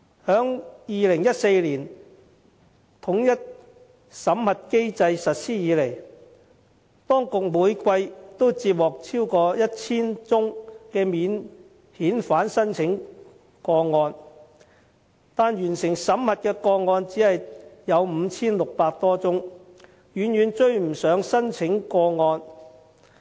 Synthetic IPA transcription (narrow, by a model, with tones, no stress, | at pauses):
hœː˨˥ŋjiː˨˧lɪ˨˩ŋjɐ˥t̚se˧jliː˨˩n | t̪ʰʊ˨˥ŋjɐ˥t̚ | sɐ˨˥mhɐ˨t̚ke˥jt͡sɐ˧jsɐ˨t̚siː˥jiː˨˧le˨˩j | t̪ɔː˥ŋkʊ˨k̚muː˨˧jkʷɐ˧jt̪o˥wt͡siː˧p̚wɔː˨˩k̚t͡sʰiː˥wkɔː˧jɐ˥t̚t͡sʰiː˥nt͡sʊ˥ŋkɛː˧miː˨˧n | hiː˨˥nfaː˨˥nsɐ˥nt͡sʰɪ˨˥ŋ | kɔː˧ŋɔː˧n | t̪aː˨˧njɥyː˨˩nsɪ˨˩ŋsɐ˨˥mhɐ˨t̚kɛː˧kɔː˧ŋɔː˧nt͡siː˨˥hɐ˨jjɐ˨˧wm̩ː˨˧t͡sʰiː˥nlʊ˨k̚paː˧k̚t̪ɔː˥t͡sʊ˥ŋ | jyː˨˧njyː˨nt͡ʃɵ˧ɥm̩˨˩sœː˨˧ŋsɐ˥nt͡sʰɪ˨˥ŋkɔː˧ŋɔː˧n